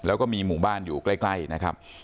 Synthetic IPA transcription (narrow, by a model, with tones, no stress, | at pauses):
lɛː˦˥kɔː˥˩miː˧muː˨˩baː˥˩njuː˨˩kla˥˩jkla˥˩jna˦˥kʰa̰˦˥p̚